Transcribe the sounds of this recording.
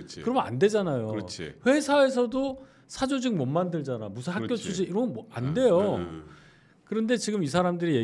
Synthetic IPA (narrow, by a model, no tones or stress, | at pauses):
kɯɾʌma̰nde̞d͡ʑanajot͡ɕʰḭɸwe̞sʰae̞s̬ʰʌdo | sʰad͡ʑod͡ʑiŋ̚mʌnmandɯɭd͡ʑanamusʰɯnhak͈jot͡ɕʰud͡ʑiiɾʌa̰nde̞jo | kɯɾʌnde̞t͡ɕiɡɯmis̬ʰaɾamdɯɾije̞